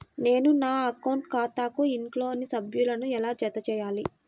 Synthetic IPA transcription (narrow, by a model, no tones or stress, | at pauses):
ne̞ːnunaːɐkɐwɳʈkaːt̪aːkuiɳʈlo̞ːɐnːisɐbʱjulɐnuɛlaːt͡ʃɛt̪ɐt͡ʃɛːjaːli